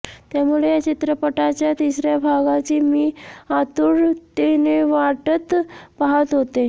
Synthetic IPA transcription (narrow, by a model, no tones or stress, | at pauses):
t̪jamuɭejat͡ɕit̪ɾəpəʈat͡ɕjat̪isɾjabʱaɡat͡ɕiːmiːat̪uːɽt̪eneʋaʈət̪paɦət̪ɦot̪e